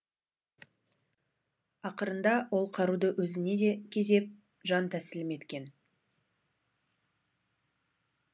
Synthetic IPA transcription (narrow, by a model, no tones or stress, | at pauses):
ɑqəɾənd̪ɑwʔo̞lˠqʰɑɾud̪əʔwɵzɪne̞d̪e̞kʲʰe̞ze̞p̚ | ʒɑnt̪ʰæsɪlɪme̞t̪kʲe̞n